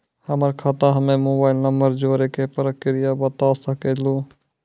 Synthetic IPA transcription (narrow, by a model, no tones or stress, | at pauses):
həməɾkʰat̪ãɦəmẽmoːbaːɪlnəmbəɾd͡ʒoːɾekepəɾəkɪɾɪjabət̪aːsəkeːluː